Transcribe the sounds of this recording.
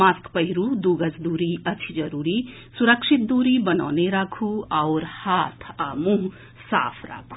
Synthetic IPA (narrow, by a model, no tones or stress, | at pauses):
maːskpəɦiɾud̪uɡəsd̪uɾiɐt͡ʃʰid͡ʒɐɾuːɾi | suɾəkʂʰit̪̚d̪uːɾibəna̰ːneɾakʰuawɾhat̪ʰamũɦ | sa̰ːpʰɾa̰ːkʰu̥